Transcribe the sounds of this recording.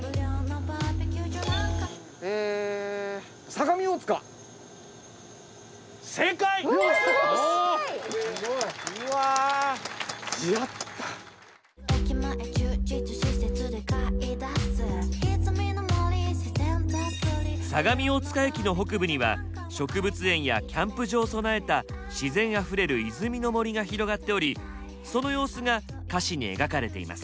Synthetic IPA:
ɯɾʲonobapekʲud͡ʒoaka | e | saɡamʲiot͡sɨ̥ka | sekai | a | iat̪ːḁ | ekʲimaʔet͡ɕɯt͡ʃitɨɕiset͡sɨd̪ekaid̪asɨet͡sɨmenomoɾʲisisembekoɾisaɡamʲio̞t͡sɨ̥kaekʲino̞ɦo̞kɯ̟bɯ̟ɲ̟iβa̰ | ɕo̞kɯ̟bɯ̟t͡sɨẽ̞ɰ̃ja̰kʲãmpɯʑo̞ːso̞nae̞t̪aɕizẽ̞ɰ̃aɸɯ̟ɾe̞ɾɯ̟izɨmʲino̞mo̞ɾʲiɡaçiɾo̞ɡat̪ːe̞o̞ɾʲi | so̞no̞jo̞ːsɨŋakaɕiɲ̟ie̞̰ɡakaɾe̞t̪e̞̰ḭma̰sɨ̥

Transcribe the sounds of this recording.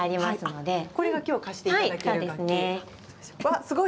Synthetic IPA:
aɾʲimasɨno̞d̪e̞ko̞ɾe̞ɡakʲo̞ːkaɕi̥t̪ehaiaso̞ːɾd̪e̞sɨne | βasɨɡo

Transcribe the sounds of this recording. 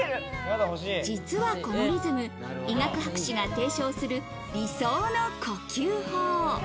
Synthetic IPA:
at̪id͡ʑit͡sɨβako̞moɾʲizɨmɯ̟ | iŋakɯ̟hakɯ̟̥ɕiɡat̪e̞ːɕo̞ːsɨɾɯ̟ | ɾʲisoːno̞kʰo̞kʲɨːhoː

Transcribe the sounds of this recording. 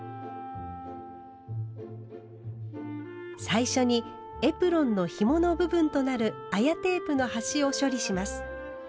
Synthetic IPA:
saiɕo̞ɲ̟i | e̞pɯ̟ɾõ̞nːo̞çimo̞no̞bɯ̟bɯ̟̃nt̪o̞naɾɯ̟ajat̪e̞ːpɯ̟no̞haɕio̞ɕo̞ɾʲiɕimasɨ̥

